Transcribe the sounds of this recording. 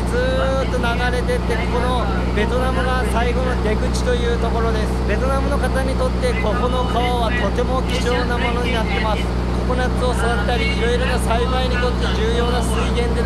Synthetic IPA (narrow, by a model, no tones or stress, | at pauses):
zɨː | t̪ːo̞naɡaɾe̞t̪e̞t̪ːe̞kokono̞ | be̞t̪o̞namɯ̟ɡasaiɡo̞no̞d̪e̞kɯ̟t͡ɕi̥t̪o̞jɯ̟ːt̪o̞ko̞ɾo̞d̪e̞sɨ̥be̞t̪o̞namɯ̟no̞kat̪aɲ̟it̪o̞t̪ːe̞ko̞kono̞kaβaβat̪o̞t̪e̞mo̞kʲi̥ʑo̞ːnamo̞no̞ɲ̟inat̪ːe̞masɨ̥ | kokonat͡sɨo̞sad̪at̪t̪ːaɾʲiːɾo̞iɾo̞nasaibaiɲ̟it̪o̞t̪ːe̞d͡ʑɨːjo̞ːnasɨiɡẽ̞nd̪e̞